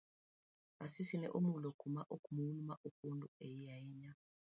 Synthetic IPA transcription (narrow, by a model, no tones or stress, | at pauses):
asisinɛ̰ʔumulɔkʰumaʔukʼumuulumaʔukuntʼuejijajiɲa